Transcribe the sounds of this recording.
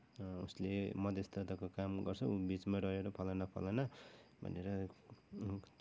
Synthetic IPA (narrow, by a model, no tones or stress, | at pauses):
ṵslḛmʌd̪est̪ʌt̪akokamɡʌrt͡sʰʌubit͡smaɾʌɦeɾʌpʰʌlanʌpʰʌ̰lanʌbʱʌ̰neɾʌ